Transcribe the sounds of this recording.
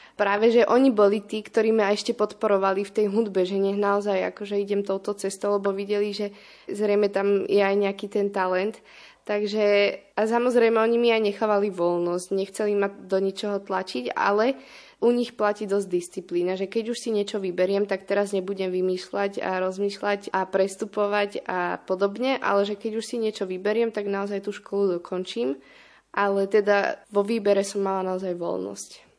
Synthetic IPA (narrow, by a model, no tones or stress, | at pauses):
pɾaːʋɛʒɛʔɔɲibɔlit̪iːkt̪ɔɾiːmaɛʃcɛpɔt̪pɔɾɔʋalift̪ɛjɦud̪bɛʒɛɲɛɦnaɔzaja̰kɔʒɛiɟɛmt̪ɔʊt̪ɔt͡sɛst̪ɔʊlɛbɔʋiɟɛliʒɛ | zɾɛjmɛt̪amjɛajɲɛakiːt̪ɛnt̪alɛnt̪ː | aɡʒɛasamɔzɾɛjmɛɔɲimiajɲɛxaːʋaliʋɔlnɔsɟɲɛxt͡sɛlimad̪ɔɲit͡ʃɔɦɔt̪lat͡ʃiɟa̰lɛ | ʔuɲixplaciːd̪ɔzɟd̪ist͡sipliːnaʒɛkɛɟuʃsiɲɪɛt͡ʃɔʋibɛɾɪɛmt̪akt̪ɛɾazɲɛbuɟɛmʋimiːʃlaɟa̰ɾɔzmiːʃlaɟapɾɛst̪upɔʋaɟa̰pɔd̪ɔbɲɛʔa̰lɛʒɛkɛɟuʃsiɲɛt͡ʃɔʋibɛɾɪɛmt̪aɡnaɔzajt̪uːʃkɔlud̪ɔkʰɔnt͡ʃiːm | ʔalɛt̪ɛd̪aʋɔʋiːbɛɾɛsɔmːalanaɔzajʋɔ̰lnɔ̰sc